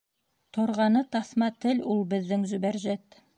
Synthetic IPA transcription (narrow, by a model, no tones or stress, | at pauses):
t̪ʰŏɾʁɑnɤt̪ɑθmɑt̪ɘlʲulˠbɘ̆ðːɘŋzɵ̆bæɾʒæt̪